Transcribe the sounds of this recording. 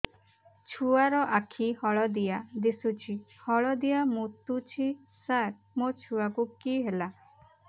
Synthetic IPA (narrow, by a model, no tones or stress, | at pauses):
t͡ʃʰuaɾɔʔakʰihɔɭɔd̪ijad̪isut͡ʃʰihɔɭɔd̪ijamũt̪ut͡ʃʰi | saɾ̚ | mot͡ʃʰuakukiɦela